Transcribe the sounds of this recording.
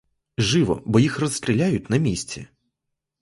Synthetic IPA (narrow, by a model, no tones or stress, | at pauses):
ʒɪʋɔ̰bɔjixrɔsʲt̪ʲɾʲilʲajʊtʲnɐmʲisʲt͡sʲɛ̰